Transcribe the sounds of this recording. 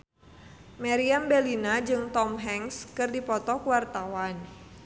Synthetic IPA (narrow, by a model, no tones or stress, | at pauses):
maɾiambɛlinad͡ʒɨŋt̪ɔmɦɛŋskɨrdipɔt̪ɔkuwart̪awan